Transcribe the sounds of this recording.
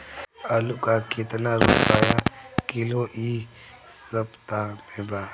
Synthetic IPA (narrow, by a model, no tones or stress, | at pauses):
əlukakɪt̪naɾʊpaːjakɪloʔi | səpt̪amebaː